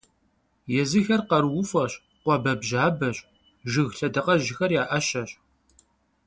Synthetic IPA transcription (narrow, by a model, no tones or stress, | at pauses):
jɛzɨxɐrqɐɾwʊfɐɕ | qʷɔbɐbʒaːbɐɕʼ | ʒɪɣɬɐdɐqɐʒɪxɐrjaːʔɐʃɐɕʼ